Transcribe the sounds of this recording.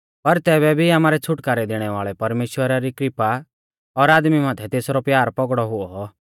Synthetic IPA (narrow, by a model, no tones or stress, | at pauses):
pɐɾt̪ɛːbɛbʱiaːmaːɾɛt͡sʰʊʈkaːɾɛd̪eɽ̃ɛʋaːɭɛpɐɾmeːʃwəɾaɾikɾɪpa | ɔɾaːd̪mimãːt̪ʰɛt̪eːsɾɔpjaːɾpɔɡɽɔɦʊɔ